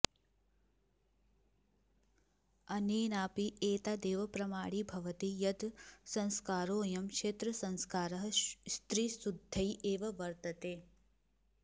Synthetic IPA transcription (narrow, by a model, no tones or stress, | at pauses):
ɐneːnaːpiʔeːt̪aːd̪eːʋɐpɾɐmaːɽibʱɐʋɐt̪ijɐd̪sɐ̃nskaːɾoːjɐmkʂeːt̪ɾɐsɐ̃nskaːɾɐɦɐst̪ɾisud̪ʱːɐjʔeːʋɐʋɐɾt̪ɐt̪eː